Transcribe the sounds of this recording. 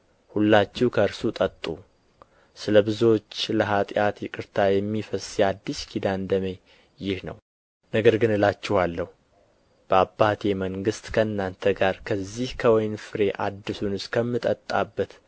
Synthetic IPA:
hulːat͡ʃːɛwkʰəɨɾsut̪ʼət̪ʼːu | sɨləbɨzot͡ʃːləɦat̪ʼjat̪jɪkʼɨɾt̪ʰajɛmːifəsjad̪ːɨskʰid̪and̪əme̞ | jɪhnə̰w | nəɡəɾɡɨnɨlat͡ʃːɪhalːəhu | b̥əabːat̪ʰeməŋɡɨst̪kʰəɨnːant̪ʰəɡaɾkʰəzːihkʰəwɔjnfɨɾe̞ʔad̪ːɨsunɨskʰəmːɨt̪ʼət̪ʼːabːət̪

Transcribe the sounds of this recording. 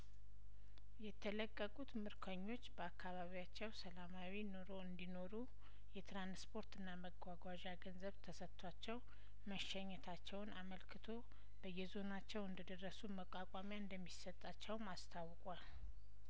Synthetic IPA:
jɛt̪ʰələkʼːəkʼut̪mɨɾkʰəɲːo̞t͡ʃːbəakːaβaβijat͡ʃːɛwsəlamawino̞ɾo̞ɨnd̪ino̞ɾu | jɛt̪ʰɾanspʰo̞ɾt̪ɨnːaməɡʷaɡʷaʒaɡənzəβt̪ʰəsət̪ʰʼːwat͡ʃːɛw | məʃɛɲːɛt̪ʰat͡ʃːɛwnaməlkʰɨt̪ʰo̞ | b̥əjːɛzo̞nat͡ʃːɛwɨnd̪əd̪ərːəsuməkʼakʼamjaɨnd̪əmːisət̪ʼːat͡ʃːɛwmast̪ʰawːkʼal

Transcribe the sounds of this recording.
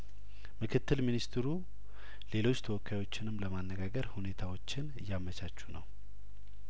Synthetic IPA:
mɨkʰɨt̪ːɨlminist̪ʰɾu | le̞lo̞t͡ʃːt̪ʰəwɔkːajwo̞t͡ʃːɪnɨmləmanːəɡaɡəɾhune̞t̪ʰawo̞t͡ʃːɪnɨjːamət͡ʃat͡ʃːunəw

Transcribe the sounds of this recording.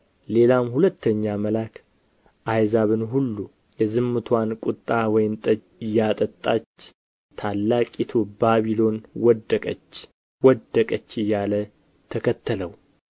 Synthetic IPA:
le̞lamhulət̪ʰːəɲːaməlakʰ | ʔajzaβɨnɦulːu | jɛzɨmːɨt̪ʰwankʼʊt̪ʼːawɔjɪnt̪ʼə | ɪjːat̪ʼət̪ʼːat͡ʃː | t̪ʰalːakʼit̪ʰobaβilo̞nwɔd̪əkʼət͡ʃː | wɔd̪əkʼət͡ʃːɨjːalə | t̪ʰəkʰət̪ʰːələw

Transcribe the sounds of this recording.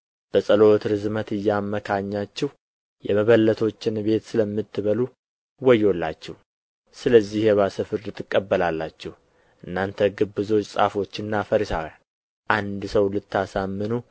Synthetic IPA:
b̥əsʼəlo̞t̪ɾɨzmət̪ɨjːamːəkʰaɲːat͡ʃːɛh | jɛməβəlːət̪ʰo̞t͡ʃːɪnbe̞t̪sɨləmːɨt̪ʰːɨβəlu | wɔjːo̞lːa̰t͡ʃːɛh | sɨləzːihjɛβasəfɨɾd̪ɨt̪ʼːɨkʼːəbːəlalːat͡ʃːɛh | ʔɨnːant̪ʰəɡɨbːɨzo̞t͡ʃʼːsʼa̰fo̞t͡ʃːɨnːafəɾisa̰wja | ʔand̪səwlɨt̪ʰːasamːɨnu

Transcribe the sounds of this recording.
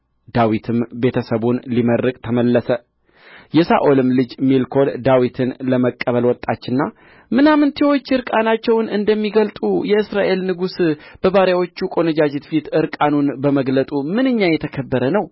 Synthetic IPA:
d̪̥awit̪ʰɨmbe̞t̪ʰəsəβunliməɾːɨkʼt̪ʰəməlːəsə | jɛsa̰ʔolɨmlɨd͡ʒmilkʰo̞ld̪awit̪ʰɨnləməkʼːəβəlwɔt̪ʼːat͡ʃːɪnːa | mɨnamɨnt̪ʰewo̞t͡ʃːɨɾkʼanat͡ʃːɛwnɨnd̪əmːiɡəlt̪ʼujɛɨsɾaʔe̞lnɨɡusb̥əβaɾjawo̞t͡ʃːukʼo̞nɨd͡ʒad͡ʒet̪fit̪ɨɾkʼanunbəməɡlət̪ʼumɨnɨɲːajɛt̪ʰəkʰəbːəɾənəw

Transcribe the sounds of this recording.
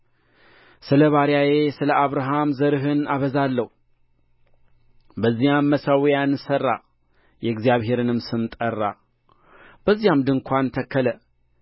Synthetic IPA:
sɨləβaɾjaje̞sɨləʔaβɾaɦamzəɾɨɦɨnaβəzalːəhu | bəzːijamːəsawjanːɨsərːa | jɛɡzijaβhe̞ɾɨnɨmsɨmt̪ʼərːa | b̥əzːijamd̪ɨŋkʷʰant̪ʰəkʰːələ

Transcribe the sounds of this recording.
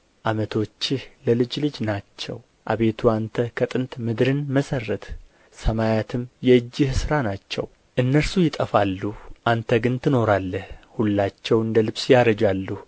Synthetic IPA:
ʔamət̪ʰo̞t͡ʃːɪhləlɨd͡ʒlɨd͡ʒnat͡ʃːɛ̰w | ʔa̰βe̞t̪ʰuant̪ʰəkʰət̪ʼɨnt̪mɨd̪ɾɨnməsərːət̪ | səmajat̪ʰɨmjɛɨd͡ʒːɪhsɨɾanat͡ʃːɛ̰w | ʔɨnːəɾsujɪt̪ʼəfalːuʔant̪ʰəɡɨnt̪ʰɨno̞ɾalːəhhulːat͡ʃːɛwɨnd̪əlɨβsjaɾəd͡ʒalːu

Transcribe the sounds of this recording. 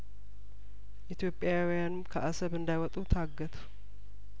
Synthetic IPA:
ʔit̪ʰjo̞pʼjawjanmkʰəʔasəβɨnd̪ajwɔt̪ʼut̪ʰaɡːət̪ʰu̥

